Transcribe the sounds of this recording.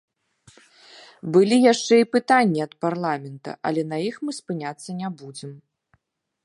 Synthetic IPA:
bɨlʲijaʂt͡ʂɛipɨt̪anʲːiɐt̪parlˠamʲɛnt̪ɐ̰ʔɐ̰lʲɛnɐjixmɨspɨnʲat̪sːɐnʲabud͡zʲɛm

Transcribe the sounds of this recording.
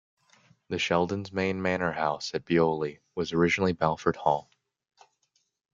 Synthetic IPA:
ðɨʃɛlˠdɨ̃nzmẽɪ̃nmænə˞haʊsɛt̚b̥ioʊlˠi | wʌzə˞ɪd͡ʒɨn̩l̩ˠibælˠfə˞d̚hɔlˠ

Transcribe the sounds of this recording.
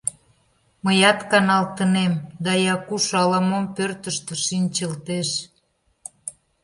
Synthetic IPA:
məjɑt̪kɑnɑlt̪ənemd̪ɑjɑkuʃɑlɑmompørt̪əʃt̪ə̆ʃinʲt͡ɕəlt̪eʃ

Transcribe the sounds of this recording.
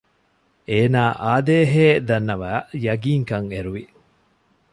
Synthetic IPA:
ʔeːnaːʔaːd̪eːɦeːd̪ɐnːɐʋæːjɐɡiːŋkɐŋeɾuʋi

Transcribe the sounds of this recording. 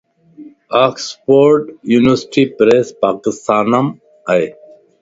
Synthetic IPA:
aːkspoːɾʈjuːnɪʋəɾsʈipɾespaːkɪst̪ʰaːnɐm | ɐj

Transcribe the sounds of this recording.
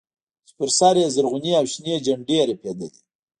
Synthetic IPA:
spɪɾsɑːɾezaɾɣʊniawʃnied͡ʒaɳɖeaɾeped̪ad̪i

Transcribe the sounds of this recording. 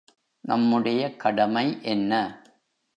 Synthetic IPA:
nɐmːɯɽɐjɐkɐɽɐmɐɪʔɛnːɐ

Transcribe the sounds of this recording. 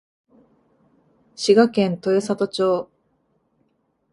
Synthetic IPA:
ɕiɡakẽ̞nt̪o̞josat̪o̞t͡ɕo̞ː

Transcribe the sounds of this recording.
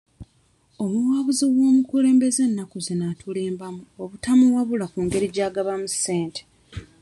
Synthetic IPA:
o̞muwaːβuziwo̞ːmukule̞ːmbe̞ze̞nːakuzenatʰule̞ːmbamuoβutamuwaβulakuːŋɡe̞ɾiɟaːɡaβamusːe̞ːnte̥

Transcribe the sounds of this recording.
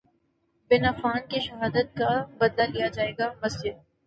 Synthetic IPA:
bɪnafaːnkiʃɐɦaːd̪ət̪̚kabɐd̪lalijad͡ʒaːeːɡamɐsd͡ʒɪd̪̚

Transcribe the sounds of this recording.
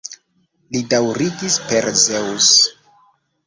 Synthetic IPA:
lidawɾiɡispeɾzeus

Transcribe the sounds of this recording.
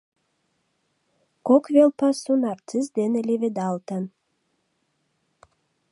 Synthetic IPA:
kokvʲelˠpɑsunɑɾt̪ɨzd̪enəlʲevʲed̪ɑlˠt̪ən

